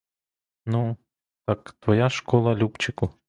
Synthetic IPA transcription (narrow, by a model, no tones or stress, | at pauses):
nu | t̪ɑkt̪ʋɔjaʃkɔlˠɐlʲupt͡ʃɪkʊ